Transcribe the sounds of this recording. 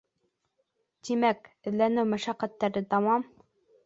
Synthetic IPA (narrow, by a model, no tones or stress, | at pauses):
t̪imæk | ɘ̆ðlænɘwmæʃæqːæt̪ːæɾɘd̪ɑwɑm